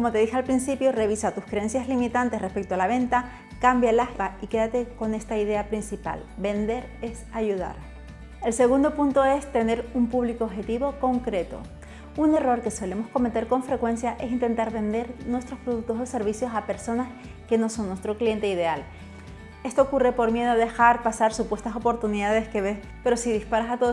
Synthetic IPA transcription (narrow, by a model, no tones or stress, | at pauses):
ko̞mo̞t̪e̞ðixealpɾinsipjore̞β̞isat̪uskɾeensjazlimit̪ant̪e̞sre̞spe̞k̚t̪oalaβ̞e̞nt̪a | kambjaelahpaike̞ðat̪e̞ko̞ne̞st̪aiðe̞apɾinsipa̰lbe̞nd̪e̞ɾ | e̞saʝuða̰ɾ | e̞lse̞ɣ̞und̪o̞punt̪o̞e̞st̪e̞ne̞ɾumpuβlikoːβxe̞t̪iβo̞ko̞ŋkɾe̞t̪o̞̰ | une̞ro̞ɾke̞swele̞mo̞sko̞me̞t̪e̞ɾko̞ɱfɾe̞kwe̞nsjaʔe̞sint̪e̞nt̪aɾβe̞nd̪e̞ɾnwe̞st̪ɾo̞spɾoðuk̚t̪osose̞ɾβisjo̞sape̞ɾso̞nas | ke̞no̞so̞ŋːwest̪ɾoklie̞nt̪e̞ið̞e̞al | e̞st̪o̞ːkure̞po̞ɾmje̞ðo̞ðe̞xaɾpasaɾsupwe̞st̪aso̞po̞ɾt̪uniðaðe̞ske̞βe̞s | pe̞ɾo̞siðispaɾasat̪oo